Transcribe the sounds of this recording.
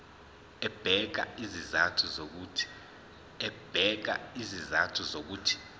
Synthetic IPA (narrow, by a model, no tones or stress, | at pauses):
ɛb̥ʱɛk̬a̰izizatʰuzok̬utʰi̥ | ɛb̥ʱɛk̬a̰izizatʰuzok̬uːtʰi̥